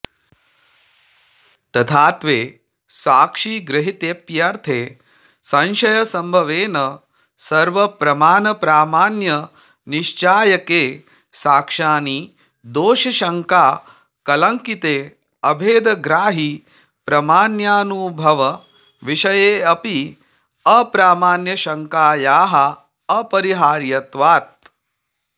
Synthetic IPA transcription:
t̪ɐt̪ʰaːt̪ʋeː | saːkʂiːɡɾɪɦit̪eːpjɐɾt̪ʰeː | sɐ̃nʃɐjɐsɐmbʱɐʋeːnɐ | sɐɾʋɐpɾɐmaːnɐpɾaːmaːnjɐ | niʃt͡ʃaːjɐkeː | saːkʂaːniː | d̪oːʃɐʃɐŋkaː | kɐlɐŋkit̪eː | ɐbʱeːd̪ɐɡɾaːɦi | pɾɐmaːnjaːnubʱɐʋɐ | ʋiʃɐjeːɐpi | ɐpɾaːmaːnjɐʃɐŋkaːjaːɦɐ | ɐpɐɾiɦaːɾjɐt̪ʋaːt̪̚

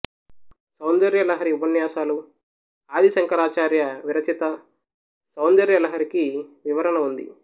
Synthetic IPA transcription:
sɐwnd̪ɐɾjɐlɐɦɐɾiubɐnjaːsaːlu | aːd̪isɐŋkɐɾaːt͡ʃaːɾjɐʋiɾɐt͡ʃit̪ɐ | sɐwnd̪ɐɾjɐlɐɦɐɾikiʋiʋɐɾɐnɐund̪ḭ

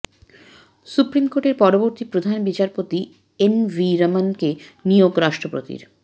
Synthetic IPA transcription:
supɾimkoʈeɾpɔɾoboɾt̪ipɾod̪ʱanbit͡ɕaɾpot̪i | enviɾamankenijoɡɾaʃʈɾopɾo̰t̪ḭɾ

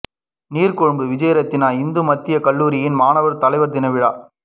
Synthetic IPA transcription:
niːɾkɔɻɯmbɯʋɪd͡ʒɐjɐɾɐt̪ːɪnaːɪnd̪ɯmɐt̪ːɪjɐkɐɭːuːɾɪjɪnmaːnɐʋɐɾt̪ɐlɐɪʋɐɾd̪ɪnɐʋɪɻa̰ː

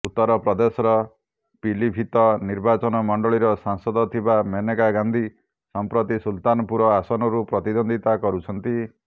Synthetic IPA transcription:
ut̪ːɔɾɔpɾɔd̪esɔɾɔ | pilibʱit̪ɔniɾbat͡ʃɔnɔmɔɳɖɔɭiɾɔsaŋsɔd̪ɔt̪ʰibamenekaɡand̪ʱi | sɔmpɾɔt̪isult̪anɔpuɾɔasɔnɔɾupɾɔt̪id̪ɔnd̪ʱit̪akɔɾut͡ʃʰɔnt̪i

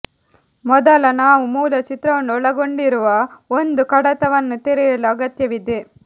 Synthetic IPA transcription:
mɔd̪ɐlɐnaːʋumuːlɐt͡ʃɪt̪ɾɐʋɐnɔɭɐɣoɳɖɪɾɯʋaːɔnd̪ɯkɐɽɐt̪ːɐʋɐnːɯt̪ɛɾɪjɐlɐɡɐt̪jɐʋɪd̪e

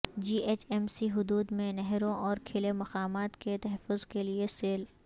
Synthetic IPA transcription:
d͡ʒiːʔeːt͡ʃɛːmsiɦʊd̪uːd̪mẽnɛɦɾõʔɔːɾkʰɪlemɐqaːmaːt̪ket̪ɐɦɛfːʊzkelieseːl

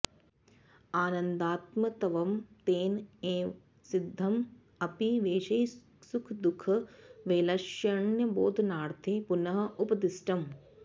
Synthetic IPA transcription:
aːnɐnd̪aːt̪mɐt̪ɐʋɐmt̪eːneː | sid̪ʱːɐm | ɐpiʋeːʃɐj | sukʰd̪ukʰɐʋeːlɐʃjɐɳjɐboːd̪ʱnaːɾt̪ʰepunɐɦɐ̆ʔupɐd̪isʈɐm

